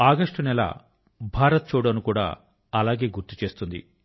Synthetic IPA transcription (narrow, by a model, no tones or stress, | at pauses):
aːɡɐʂʈunɛla̰ː | bʱaːɾɐt̪̚t͡ʃuːɽɐnukuːɽa̰ː | ɐlaːɡe̞ːɡuɾt̪u̥t͡ʃe̞ːst̪und̪ḭ